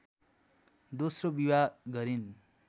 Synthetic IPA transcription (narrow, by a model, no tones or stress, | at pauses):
d̪osrobiwaɡʌɾin